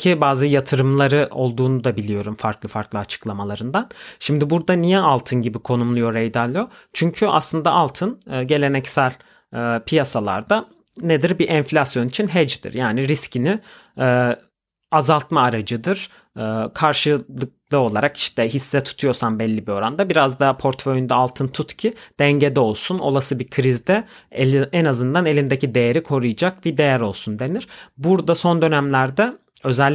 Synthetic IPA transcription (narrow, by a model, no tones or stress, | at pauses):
cʰibaːzɯjat̪ʰɯɾɯmlˠaɾɯo̞lˠd̪uːnud̪abilʲijo̞ɾumfaɾklˠɯfaɾklˠɯat͡ʃʰɯ̥klˠamalˠaɾɯnd̪anʃimd̪ibuɾd̪anijɛalˠt̪ʰɯnɟibikʰo̞numlˠujo̞ɾejd̪alʲˠijo | t͡ʃʰyɲcʰya̰slˠɯnd̪aʔalˠt̪ʰɯnːɟe̞lʲe̞nɛcsælʲː | pʰijasalˠa̰ɾd̪a | ned̪iɾbiʔɛɱflʲasjo̞nit͡ʃʰinɦɛd͡ʒd̪ḭɾjaːniɾiscʰini | ɛː | azalˠt̪maːɾad͡ʒɯd̪ɯɾ̥ː | kʰaɾʃɯlˠɯk̚lˠɯo̞lˠaɾaki̥ʃt̪ʰɛɦisːɛt̪ʰu̥t̪ʰujo̞ɾsanbɛlʲːibio̞ɾand̪abiɾazd̪apʰo̞ɾt̪feojynd̪ɛːlˠt̪ʰɯnt̪ʰut̪cʰid̪̥ɛɲɟed̪ɛo̞lˠsuno̞̰lˠasɯbikʰɾizd̪ɛ | ɛnazɯnd̪anelʲind̪ecʰid̪e̞jeɾikʰo̞ɾujad͡ʒak̚bid̪e̞jæɾo̞lˠsund̪e̞niɾ̥buɾd̪aso̞nd̪ø̞næmlʲæɾd̪ɛ | ø̞zɛlʲː